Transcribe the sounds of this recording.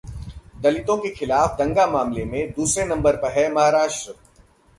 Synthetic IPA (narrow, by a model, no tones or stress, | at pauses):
d̪ɐlɪt̪õkexɪlaːfd̪ɐ̃ŋɡamaːmlemẽd̪uːsɾenɐ̃mbəɾpɐɾɦɛmɐɦaːɾaːʃʈɾə